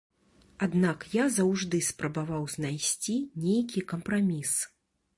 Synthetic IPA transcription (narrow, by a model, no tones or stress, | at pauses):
ad̪nakjazɐwʐd̪ɨspɾɐbavawznajsʲt͡sʲinʲejkʲikɐmpɾamʲis